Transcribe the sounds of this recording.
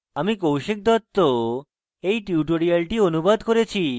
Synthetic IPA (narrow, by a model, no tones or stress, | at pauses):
amikɔɦũʃek̚d̪at̪ːo | eiʈjuʈoɾijalʈiənubad̪kɔɾet͡ʃʰi